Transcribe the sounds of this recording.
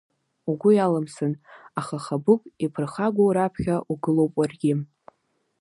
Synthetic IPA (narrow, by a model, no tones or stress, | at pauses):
uɡʷʊjalamsɨnaχaχabʊkʷʼipʰɨrχaɡʷowɾapʰχʲaʔuɡɨlo̞wpʼwarɡʲɪ